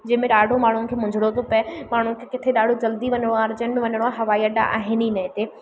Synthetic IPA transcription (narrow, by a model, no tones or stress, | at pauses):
d͡ʑɐ̃ɦmẽɗaːɽʱomaːɳ̤unɪ̆kʰeːmʊ̃ɲd͡ʑʱɪɽot̪opɛmaːɳ̤ũɪkʰekɪt̪ʰeɗaːɽ̤od͡ʑɐld̪iʋɐɲəɽ̃oãːɾd͡ʑənʋɐɲəɽ̃ãɦɐʋaːiɐɗa̰ʔa̰ːɦɪninɐɦɪ̃t̪e